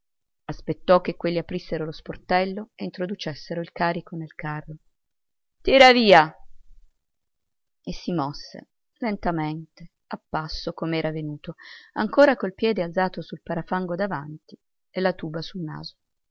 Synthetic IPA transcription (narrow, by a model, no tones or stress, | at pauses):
aspet̪ːɔk̟ːekːwelːiapɾisːeɾolosport̪ɛlːoeint̪ɾod̪ut͡ʃesːeɾoilkaːɾikonelkarːo | t̪iːɾaviːa | esːimɔsːḛ | lent̪ament̪e | apːasːokomeɛːɾavenuːt̪oa̰ŋkoːɾakolpjɛːd̪ealzaːt̪osulpaɾafaŋɡod̪avant̪i | elːat̪uːbasulna̰ːzo̥